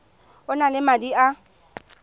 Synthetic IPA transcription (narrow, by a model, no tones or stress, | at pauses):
ʊnalɪmadia